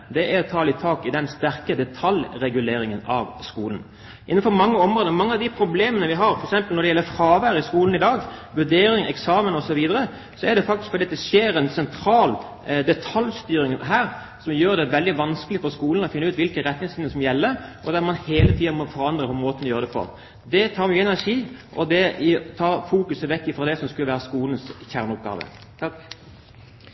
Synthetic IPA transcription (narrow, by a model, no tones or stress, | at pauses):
d̪ɛʔæɾɔt̪ʰɑːlɪt̪ʰɑːkɪd̪ɛnst̪æɾkəd̪ɛt̪ʰɑljɾɛɡʉleːɾɪŋənɑ̰ʋskuːln̩ | ʔɪn̩ːfɔɾmɑŋːəɔmʁoːd̪əɔmɑŋːəɑʋd̪ɪpʰɾʊbleːmənəʋɪɦɑɾfɔɾɛksɛmpəlɔɾd̪ɛjɛlːəfɾɑːʋæːɾɪskuːln̩ɪd̪ɑːɡʋʉɖeːɾɪŋɛ̰ksɑːmənɔsɔʋiːd̪əɾə | sɔɛd̪ɛfɑk̚t̪ɪskfɔɾd̪iɑt̪ːɛseːɾɛnsɛnt̪ʰɾɑːl | d̪ɛt̪ʰɑljst̪yːɾɪŋnɦæːɾ | sɔmjøːɾd̪ɛʋɛld̪ɪʋɑnskəlɪfɔʁskuːlən̩ɔfɪnːʉːt̪ʋɪlkəɾɛt̪nɪŋsɪnəsɔmjɛlːəʔɔd̪æɾmɑnheːlət̪ʰiːɑnmɔfɔɾɑnd̪ɾəhʊmmoːt̪ənɔjøːɾəd̪ɛpʰɔ̰ɾ | d̪ɛt̪ʰɑːɾmyːəɛnæʂiːʔɔd̪ɛt̪ʰɑːʁfuːkʉsəʋɛkːɪfɾɔd̪ɛsɔmskʉləʋæːɾəskuːln̩sçæʁnʊp̚ɡɑ̰ːʋə̰